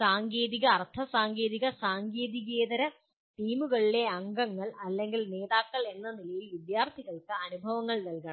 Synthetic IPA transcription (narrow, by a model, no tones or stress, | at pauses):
saːŋɡe̞ːðiɣɐːrt̪ʰɐsaːŋɡe̞ːðiɣɐsaːŋɡeːðiɣeːðɐɾɐ | t̪iːmuɣɐɭile̞ɐŋɡɐŋːɐɭɐlːe̞ŋɡilne̞ːðaːkːɐɭe̞nːɐnilɐjilʋid̪jaːrt̪ʰiɣɐɭkɨɐnubʱɐʋɐŋːɐɭnɐlkɐɳɐ